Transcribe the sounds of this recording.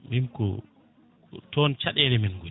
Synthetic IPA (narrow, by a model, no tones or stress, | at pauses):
minkɔ̰ | tɔnt͡ʃaɗɛlɛmɛnɡu